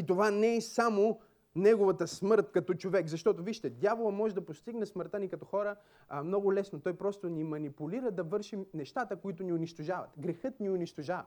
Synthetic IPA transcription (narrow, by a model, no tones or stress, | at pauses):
it̪ovanɛɛsamo | nɛɡovɐt̪ɐsmɤɾt̪kɐt̪ɔt͡ʃovɛkzɐʃt̪ɔt̪ʊviʃt̪ɛd̪javolˠɐmɔʒɛd̪ɐpost̪iɡnɛsməɾt̪anikɐt̪ɔxɔɾə | mnɔɡʊlɛsnot̪ɔjpɾɔst̪onimɐnipuliɾəd̪ɐvɤɾʃimnɛʃt̪at̪əkoit̪ʊniʊniʃt̪oʒavɐ̰t̪ɡɾɛxɤt̪niʊniʃt̪oʒavɐ